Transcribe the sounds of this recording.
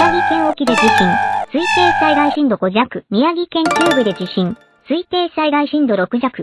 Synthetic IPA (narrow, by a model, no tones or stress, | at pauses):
aɡʲikẽɰ̃o̞kʲid̪e̞d͡ʑiɕĩŋsɨit̪e̞̥ːsaiɡaiɕĩnd̪o̞ko̞ʑakɯ̟mʲijaɡʲikẽ̞ɲt͡ɕʲɨːbɯ̟d̪e̞d͡ʑiɕĩŋ | sɨit̪e̞ːɕsaiɡaiɕĩnd̪o̞ɾo̞kɯ̟ʑakɯ̟